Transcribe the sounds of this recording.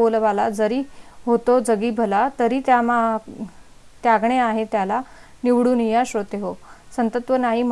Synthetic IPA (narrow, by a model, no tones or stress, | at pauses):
olʋalad͡zəɾiːɦot̪od͡zəɡiːbʱəlat̪əɾiːt̪jama | t̪jaɡɳeaɦet̪jala | niʋɽuːnijaɕot̪eɦosənt̪ət̪ʋənaɦiːm